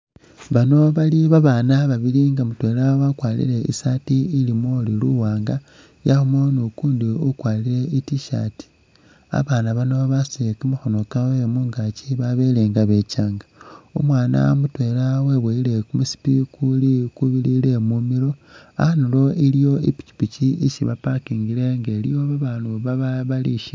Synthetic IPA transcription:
βano̞βaliβaβaːnaβaβiliŋɡamutwe̞ːlawakwaːlḭle̞ḭsatiilimoliluwaːŋɡa | jaxumonukuːndiukwaːlile̞itiʃa̰ti̥ | a̰βaːnaβano̞βasikimuxunokawemuːŋɡat͡ʃiβaβeleːŋɡaβe̞t͡ʃaːŋɡao̰mwaːna̰mutwe̞laweβweile̞kumusi̥pikulikuβilile̞mumilo̞a̰anilo̞ilijo̞ipi̥ci̥pit͡ʃiiʃiβapakiːŋɡile̞ŋɡelijo̞βaβaːnuβaβaβaliʃi

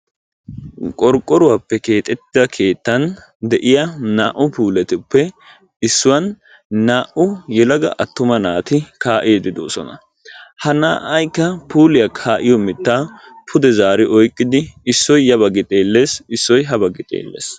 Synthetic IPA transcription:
kʼɔɾkʼːɔɾʊwaːpːɛke̞ːt̪ʼɛt̪ːɪd̪ɐkʰe̞ːt̪ːɐn | d̪ɛʔɪjɐnaːʔʊpuːlɛt̪ɪpːɛ | ɪsːʊwɐn | naːʔʊjɛlɐɡɐ̰ʔɐt̪ːʊmɐnaːt̪ɪkaːʔeːd̪ɪd̪o̰ːsɔ̰nɐ̰ | hɐnaːʔɐjkːɐpuːlɪjɐkʰaːʔɪjɔmɪt̪ːaːpʰʊd̪ɛzaːɾɪʔɔjkʼːɪd̪ɪːsːɔjːɐbɐɡɪt̪ʼe̞ːlːe̞ːsɪsːɔjɦɐbɐɡɪt̪ʼḛːlːḛːs

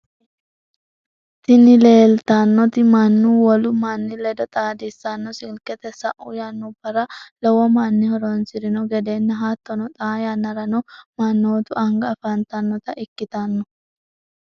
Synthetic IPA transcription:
t̪ɪnɪleːlt̪anːɔt̪ɪmɐnːuːwɔlʊmanːɪlɛd̪ɔt̪ʼaːd̪ɪsːanːɔsɪlkɛt̪ɛsɐʔuːjanːuːbɐɾɐlɔwɔmanːɪhɔɾoːnsɪɾɪnɔɡɛd̪eːnːɐɦaːt̪ːɔnɔt̪ʼaːjaːnɐɾɐnɔmɐnːoːt̪ʊʔɐŋɡɐɐfant̪anːɔt̪ɐʔɪkːɪt̪anːɔ

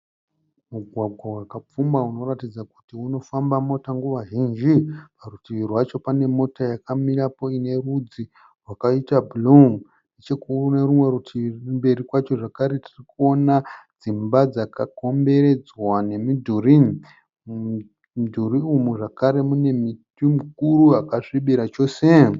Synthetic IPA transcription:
muɡʱwaɡʱwawakap͡fumauno̞ratid͡zaku̥tiuno̞fambamo̞taŋɡuʋaʒind͡ʒiparutiirwat͡ʃo̞pane̞mo̞tajakamiɾapo̞ine̞rud͡zi | rwakaitabuluŋ | net͡ʃekuuneɾumwe̞ɾutʰirmbe̞ɾikwat͡ʃo̞ʐakaɾe̞tirikuo̞nad͡zimbad͡zakako̞mbe̞ɾe̞d͡zwane̞midʱurin | dʱuriumuʐakaɾe̞mune̞mitimuk̚uruakaʂiɓiɾat͡ʃo̞se̞

